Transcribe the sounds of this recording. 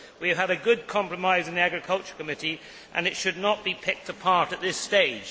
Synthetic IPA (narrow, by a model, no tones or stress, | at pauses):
wiɨv̥əɾɨɡʊd̚kʰɑ̃mpɹəmaɪz̃n̩ðiæɡɹɨkʰʌlˠt͡ʃə˞kɨmɪɾi | ʔɨ̰̃nɨtʃɨdⁿnət̚b̥ipʰɪk̚təpʰɑɹɾɨt̪̚ðɪsteɪd̥ʒ̥